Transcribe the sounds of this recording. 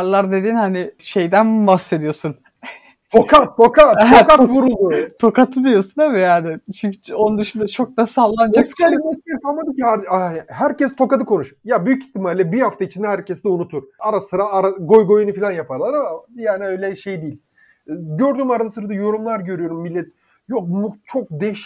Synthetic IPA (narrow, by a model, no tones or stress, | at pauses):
ɾlˠaɾd̪e̞d̪iːnhanɪʃe̞jd̪ænbahsːe̞d̪ijo̞sun | t̪ʰo̞kʰat̪ːo̞kaokat̪vuɾulˠd̪ut̪ʰo̞kat̪ʰɯd̪ijo̞sunemɛjaːnɪt͡ʃʰyɲcʰy̥onund̪ɯʃɯnd̪at͡ʃʰo̞k̚d̪asallˠːand͡ʒakamesiɾt̪ʰanmad̪ɯmcʰihaɾhæɾcɛst̪ʰo̞kad̪ɯkʰo̞nuʃjabyjyci̥t̪ʰːimalʲːɛbihaft̪ʰait͡ʃʰind̪ɛɦæɾcɛsd̪ɛunut̪ʰuɾ̥aɾasɯɾaaɾaɡo̞jɡo̞junufilʲanjapʰaɾlˠaɾamajaːniø̞jlʲɛʃejd̪ijilʲ | ɟø̞ɾd̪yːmaɾazsɯɾad̪ajo̞ɾumlˠaɾɟøɾyjo̞ɾumːilʲːɛt̪̚ | jok̚but͡ʃʰok̚d̪eʃ